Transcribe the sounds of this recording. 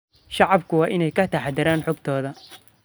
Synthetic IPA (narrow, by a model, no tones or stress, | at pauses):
ʃɑʕɑbkʰʊwɑːʔɪnɛjkʰɐt̪ʰɐħɑd̪ɐɾaːnħɔɡt̪ʰɔːðɐ